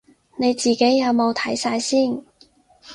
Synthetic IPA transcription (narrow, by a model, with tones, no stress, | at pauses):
ne˨˧jt͡siː˨ke˨˥jːɐ˨˧wmo˨˧wt̪ʰɐ˨˥jsaː˧jsiː˥˩n